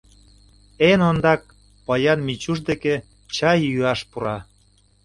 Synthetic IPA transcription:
enond̪ɑk̚ | pɑjɑnmit͡ɕuʃd̪eke | t͡ɕɑjyɑʃpuɾɑ

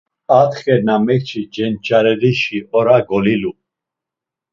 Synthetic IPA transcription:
at̪χɛɾnamɛkt͡ʃʰid͡ʒɛnt͡ʃʰʼaɾɛɾiʃiɔɾaɡɔlilu

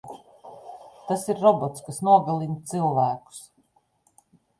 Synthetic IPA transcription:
t̪asiɾɾɔbɔt̪skasnuɔɡalˠint̪silˠvæːku̥s

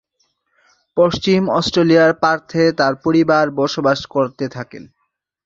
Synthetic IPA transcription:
poʃt͡ɕimɔsʈɾelijaɾpaɾt̪ʰet̪aɾpoɾibaɾbɔʃobaʃkoɾt̪et̪ʰakḛn

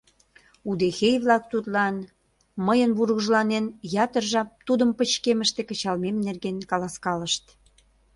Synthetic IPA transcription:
ud̪exejβlɑk̚t̪ut̪lɑn | məjənβurɣəʒlɑnenjɑt̪ərʒɑpt̪ud̪əmpət͡ɕkeməʃt̪ekə̆t͡ɕɑlmemnerɣenkɑlɑskɑləʃt̪

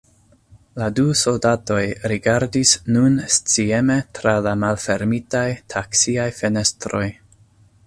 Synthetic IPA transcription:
laduso̞ldato̞jɾiɡaɾdisnunst͡sie̞me̞tɾalamalfe̞ɾmitajtʰaksiajfe̞ne̞stɾo̞j

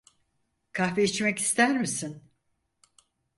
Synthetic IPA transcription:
kʰahveit͡ʃmɛci̥st̪ʰæɾmisin

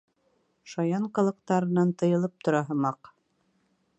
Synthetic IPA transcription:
ʃɑjɑɴqɤ̆lˠɤ̆q̚t̪ɑɾɤ̆nɑnt̪ɤ̆jɤ̆lˠɤp̚t̪ŏɾɑɦɤmɑq

